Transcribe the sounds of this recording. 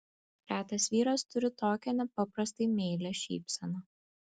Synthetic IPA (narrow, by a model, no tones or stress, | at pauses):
ɾʲæːt̪ʲɐsʋʲiːɾost̪ʊɾʲɪt̪oːkʲɛnʲɛpɐpɾɐst̪ɐɪmʲeːlʲɛʃʲḭːpʲsʲɛnoː